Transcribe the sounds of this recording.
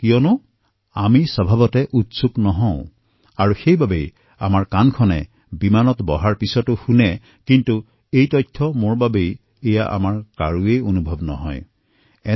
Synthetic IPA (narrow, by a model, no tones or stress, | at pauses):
kijɔnʊ | amisɔbʱabɔtɛʔutsuknɔɦɔ̃ʊ̃ | aɹuxejbabej | amaɹkankʰɔnɛ̰ | bimanɔtbɔɦaɹpisɔtʊxunɛ | kintu | ejtɔjtʰːɔmoɹbabej | ɛjaʔa̰maɹka̰ɹuejonubʱɔbnɔ̰ɦɔ̰j | ɛ